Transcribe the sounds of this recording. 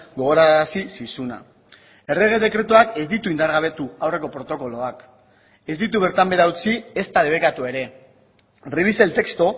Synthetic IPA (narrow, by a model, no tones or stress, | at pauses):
ɡo̞ɣ̞o̞ɾasisisuna̰ | e̞re̞ɣ̞e̞ðe̞kɾe̞t̪uake̞zd̪it̪uind̪aɾɣaβ̞e̞t̪uawre̞ko̞pɾo̞t̪o̞ko̞lo̞ak | e̞zd̪it̪uβ̞e̞ɾt̪ambe̞ɾaut͡sie̞st̪aðe̞βe̞kat̪ue̞ɾe̞ | riβise̞lt̪e̞kst̪o̞